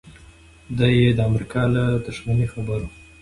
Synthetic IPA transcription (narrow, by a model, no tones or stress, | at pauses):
d̪ajed̪əamɾikɑlad̪ʊʂmanixabəɾu